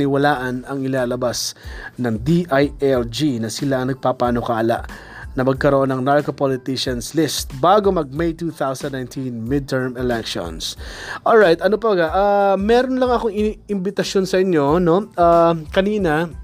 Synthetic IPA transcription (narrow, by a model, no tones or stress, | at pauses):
nɪwɐlaːʔɐnɐŋɪlaːlɐbasnɐŋd̪iʔajʔɛld͡ʒinɐsɪlaŋnɐɡ̚papaːno̞kɐʔala̰ʔ | nɐmɐɡ̚kɐɾoʔo̞nɐŋnaɹkopolɪt̪ɪʃɐnslɪst̪̚baːɡo̞mɐɡ̚mejt̪uːθawsɐ̃nd̪najnt̪ʰĩnmɪd̪̚t̪ɛɹmɛlɛkʃo̰nsʔolɹajt̪ɐno̞pɐlɐɡaʔamɛːɾonlɐŋɐkoŋɪɪmbɪt̪ɐsjo̞nsɐʔɪɲjo̞no̞ʔaːkɐniːnɐ